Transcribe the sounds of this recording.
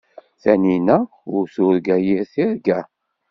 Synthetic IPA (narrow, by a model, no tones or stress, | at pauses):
θæninæ | ʊɾθʊɾɡæjiɾθiɾɡæ